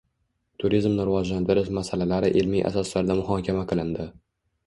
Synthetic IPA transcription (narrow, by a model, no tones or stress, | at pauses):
t̪ʰʊɾizmnɪɾɪvɒd͡ʒland̪ʰɪɾɪʃmasalalaɾɪʔelmijʔa̰sɒslaɾd̪amʊhɒːkʲamaqʰɨlˠɪnd̪ɪ